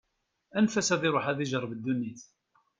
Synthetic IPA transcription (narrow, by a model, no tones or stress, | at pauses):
ænfæsæðɪɾˤoħæðiʒəɾˤvəd̪ːunːiθ